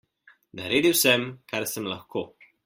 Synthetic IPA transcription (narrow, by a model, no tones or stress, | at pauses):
na̰ɾeːd̪iwsɛmkaɾsəmlaxkʰoː